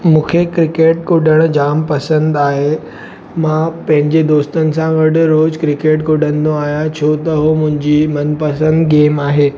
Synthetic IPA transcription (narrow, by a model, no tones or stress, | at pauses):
mũːkʰekɾɪkeːʈ̚kʊɖʱəɽ̃d͡ʑaːmpɐsə̃nd̪aːɦe | mãpɐ̃ɦɪ̃ɲd͡ʑed̪oːst̪ənɪ̆sãɡɐɽʊ̆ɾoːzkɾɪkeːʈkʊɖʱə̃nɪ̆d̪oaːɦijãt͡ɕʰoːt̪ɐɦomʊ̃ɦɪ̃ɲd͡ʑimɐnpɐsə̃nd̪ɡeːmaːɦeː